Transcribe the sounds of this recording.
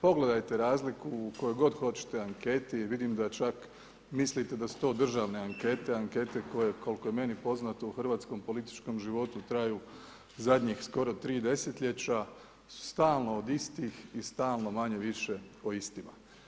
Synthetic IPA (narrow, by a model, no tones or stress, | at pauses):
po̞ɡle̞d̪ajt̪e̞ɾaːzlikuːko̞juɡo̞d̪xo̞t͡ɕi̥t̪eaŋke̞t̪iʋid̪imd̪at͡ʃak | mislit̪e̞d̪asu̥t̪o̞ːd̪r̩ʒaʋne̞aŋke̞t̪e̞aŋke̞t̪e̞ko̞jeko̞lkojeme̞nipo̞znat̪ouxr̩ʋaːt̪sko̞mpo̞lit̪i̥t͡ʃko̞mʒiʋo̞t̪ut̪ɾajuː | zad̪ɲixsko̞ɾo̞t̪ɾiːd̪e̞set̪ʎʲe̞t͡ɕa | su̥st̪aːlˠno̞od̪ist̪ixist̪aːlˠno̞maɲe̞ʋiʃe̞oist̪ima̰